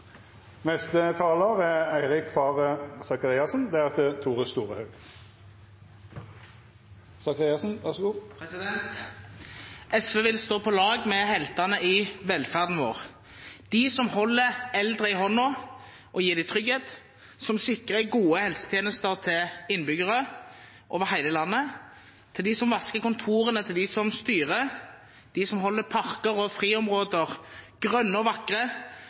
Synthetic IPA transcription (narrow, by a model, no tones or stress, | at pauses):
nɛst̪ət̪ʰɑːləʁɛæɪʁɪkfɑːʁəsɑkɑʁiːɑsn̩d̪ɛæʁt̪ʰɪt̪ʰuːʁəst̪uːʁəhɑʉɡ | sɑkɑʁiɑsn̩ʋæʂuːpɛsɪd̪ɛnt̪ | ʔɛsʋeːʋɪlst̪oːpʰɔlɑːɡmɛhɛlt̪ɑnəʔɪʋɛlfæʁd̪n̩ʋo̰ːʁ | d̪̥ɪsɔmhɔlːəʁɛld̪ʁəɪɦɔnːɔ | ʔɔjiːʁd̪ɪt̪ʰʁʏɡheːt̪ | sɔmsɪkʁəɡuːəhɛlsə̥t̪ʰjeːnəst̪əʁt̪ʰɪlɪnːbʏɡəʁə | ʔo̰ːʋəʁhæɪləlɑnːə | t̪ʰɪld̪ɪsɔmʋɑskəkʊnt̪ʰuːʁənət̪ʰɪld̪ɪsɔmst̪yːʁə | d̪̥ɪsɔmɦɔlːəpʰɑʁkəʁɔfʁiːɔmʁoːd̪əʁ | ɡ̥ʁœnːəɔʋɑkʁə